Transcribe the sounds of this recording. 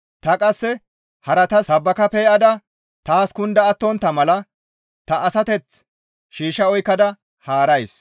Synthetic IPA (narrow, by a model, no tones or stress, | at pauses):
t̪ɐkʼɐsːɛ | hɐɾɐt̪ɐɐbːɐkɐpɛjʔɐd̪ɐ | t̪aːskʊnd̪ɐːt̪ːɔnt̪ːɐmɐlɐ | t̪ɐʔːsɐt̪ɛt͡s | ʃiːʃɐɔjkːɐd̪ɐ | haːɾɐjs